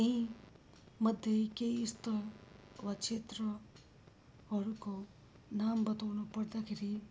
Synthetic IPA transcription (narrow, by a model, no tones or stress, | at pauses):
eɦĩ | məd̪ʱjekeist̪əɾʋakt͡ʃʰeːt̪ɾə | ɦɔɾuko | naːmbət̪aʋnupɐɽd̪akʰeɾi